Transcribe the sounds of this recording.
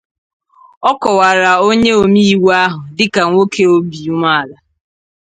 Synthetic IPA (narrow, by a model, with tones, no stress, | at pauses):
ɔ˦kɔ˨wa˨ɾa˨o˦ɲe˦o˨mi˦i˦wa˦ɦʊ˨dɪ˦ka˨ŋʷo˦kʰe˦o˦bi˨u˦ma˦a˨la˨